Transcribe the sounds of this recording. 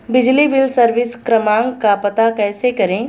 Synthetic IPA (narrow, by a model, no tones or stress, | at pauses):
bɪd͡ʒliʋɪlsɐɾʋɪskɾɐmãːŋɡkapɐt̪akɛːsekɐɾẽː